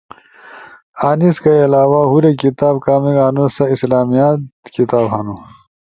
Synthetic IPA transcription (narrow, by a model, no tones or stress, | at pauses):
aːniskailaːwaɦuɾekit̪aːbkaːmiɡaːnusɐislaːmijat̪kit̪aːbɦanu